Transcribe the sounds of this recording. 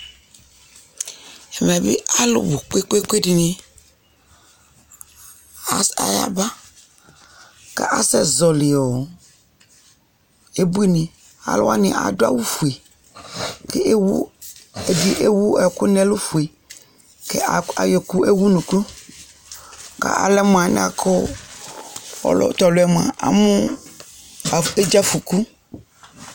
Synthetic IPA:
ɛ˨m˨ɛ˨bḭ˦a˦lʊ̰˨bo˨ke˦ke˦kʷe˦di˨nĩ˦ | a˨a̰˨ja̰˦ba˦ | kḛ˦ʔa̰˦sɛ˦zɔ˨li˨ɔ˨ | e˦bu˦e˦nĩ˨ | a̰˨lʊ̰˦a˦nḭ̃˨ʔa̰˨do˦a̰˦wu˦fu˨e˨ | kɛ˦wu˦e˨bi˦ʔe˦wu˦ɛ˨kʊ˦nɛ̃˦lʊ˦fu˨e˨ | kɛ̰˦a˨a˨jɛ˨kʊ˦e˦wu˦nũ˨ku˦ | ka̰˨ʔa̰˨lɛ˦mʊ̃˨a˨nɪ̰̃˦a˨kʰʊ˦ | ɔ̰˨˦lɔ̰˨t̪ɔ˨lʊ˨ɛ˦m̃˨ã̰˨ʔa̰˨mʊ̃˦˨ | e˦d͡ʒa˦fu˨ku˦

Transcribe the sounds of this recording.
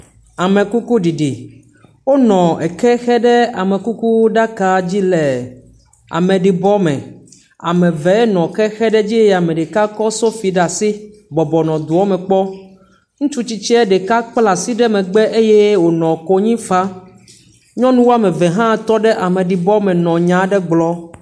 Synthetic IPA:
a˨mɛ̃˨ku˦ku˦ɖi˨ɖi˨ | wo˦nɔ̃˨ɛ˨kɛ˦xɛ˦ɖɛ˦a˨mɛ̃˨ku˦ku˦ɖa˦ka˨d͡ʑi˦lɛ˨ | a̰˨mɛ̃˨ɖi˨bɔ˦mɛ̰̃˨ | a̰˨mɛ̃˨vɛ˨˦ɛ˦nɔ̃˨kɛ˦xɛ˦ɖɛ˦d͡ʑi˦e˦˨a˨mɛ̃˨ɖɛ˨ka˦kɔ˦so˦fi˨ɖa˨si˦ | bɔ˨bɔ˨nɔ̃˨d̪u˨ɔ˦mɛ̃˨k͡pɔ˦ | ŋũ˦t͡ʃu˦t͡ɕi˦t͡ʃɛ˦ɛ˦ɖɛ˨ka˦k͡pla˨si˦ɖɛ˦mɛ̃˨ɡ͡bɛ˦ʔe˦je˦wo˨nɔ̃˨ko˦ɲĩ˦fa˦ | ɲɔ̃˦nũ˦wo˦a˦˨mɛ̃˨vɛ˨ɦã˦t̪ɔ˦ɖɛ˦ʔa˨mɛ̃˨ɖi˨bɔ˦mɛ̃˨nɔ̃˨ɲã˨ɖɛ˦ɡ͡blɔ˦

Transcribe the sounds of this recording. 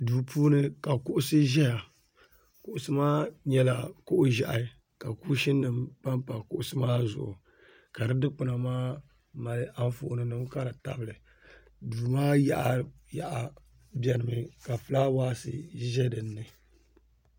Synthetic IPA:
duː˨puː˦nɨ˦ka˨kʊ˦ʔʊ˦sɨ˦ʒɛ˦ja˨ | kʊ˨ʔʊ˨sɨ˦maː˦ɲɛ˦la˨kʊ˦ʔʊ˦ʒa˨ʔa˨ | ka˨ku˦ʃɪ˦nːɨ˨mpa˦mpa˨kʊ˦ʔʊ˨sɨ˦maː˦zʊ̰˨ʔʊ̰˨ | ka˨dɨ˦dɨ˦k͡pɨ˨na˨maː˦ | ma˨lɨ˦ʔa˦n˦fʊ̰˨ʔʊ˨nɨ˨nɨ˦mka˦ɾa˨ta̰˦bɨ˨lɨ˨ | duː˨maː˦ja̰˦ʔa˨ | ja˨ʔa˨ | bɛ˨ɾɨ˨mɨ˨ka˨fɨ˨˦la˦waː˦sɨ̰˦ʒɛ˦dɨ˨nːɨ˨

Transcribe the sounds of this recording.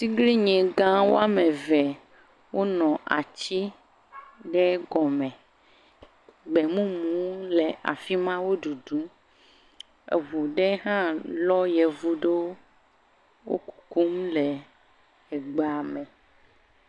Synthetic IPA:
si˦ɡli˦ɲɛ̃˨ɡã˦wo̰˦a˦me˨vɛ˨ | wo˦nɔ̃˨ʔa˨t͡ɕi˦ | ɖɛ˦ɡɔ˨mɛ̃˨ | ɡ͡bɛ˨mũ˦mũ˦le˨ʔa̰˨fi˦mã˦wo˦ɖu˨ɖu˦ | ḛ˨vu˨ɖe˦ɦã˦lɔ˦jɛ˨vu˨ɖe˦wo˦ | wo̰˦ku̥˨ku˦mlɛ˨ | e˨ɡ͡ba˨mɛ̃˨

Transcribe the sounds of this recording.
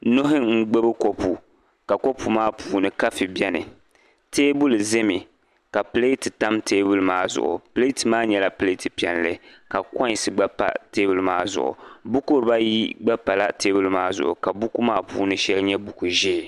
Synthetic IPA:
no˦ɦɪ˦ŋ̩˦ɡ͡be˦bɨ˦ko˦pu˨ | ka˨ko˦pu˨maː˦pʰuː˦nɨ˨ka˦fi˨bɛ˦nɨ˨ | teː˦bʊ˦lze˦mi˨ | ka˨ple˦ti˨ta˦mteː˦bu˨lmaː˦zʊ̰˨ʔʊ̰˨ple˦ti˨maː˦ɲɛ˨la˦ple˦ti˨pi˨ɛ˨nlɨ˦ | ka˨kɔ˦˨sɨ˨ɡ͡ba˦pa̰˨teː˦bu˨lmaː˦zʊ̰˨ʔʊ̰˨bu˦kʊ˦ɾba˦ji˦ɡ͡ba˦pa˨la˦te˦bu˨lmaː˦zʊ̰˨ʔʊ̰˨ka˨bu˦ku˦maː˦pṵː˦nɨ˦ʃɛ˦lɲɛ˦bu˨ku˨ʒɪ˦˨

